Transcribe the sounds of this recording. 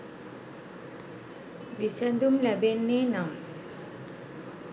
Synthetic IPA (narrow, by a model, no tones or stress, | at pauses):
bisɛnd̪umlɛbenːenam